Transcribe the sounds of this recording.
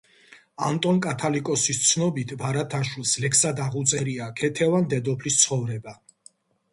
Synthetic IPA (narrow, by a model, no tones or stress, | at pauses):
a̰nt̪ʼɔnkʼat̪ʰalikʼɔsist̪sʰnɔbit̪ʰvaɾat̪ʰaʃwilˠslɛkʰsad̪aʁut̪sʼɛɾiakʰɛt̪ʰɛvand̪ɛd̪ɔpʰlist̪sʰχɔvɾɛba